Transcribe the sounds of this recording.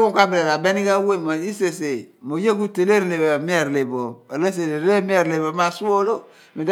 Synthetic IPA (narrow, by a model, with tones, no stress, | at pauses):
kõ˦ka˦be˨ɾɛ˨ɾa˨bɛ˦ni˦ka˦we˦˨ma˨i˦se˨se˨mo˨je˦ku˦te˨le˦ɾe˨le˨ba˨mi˦ɛ˨ɾle˨bo˨e˨le˦s̬e˨le˨ɾe˨˦le˦mi˦ɛ˨ɾle˨bɔ˨ma˨su˦o˦lo˦ | mi˨d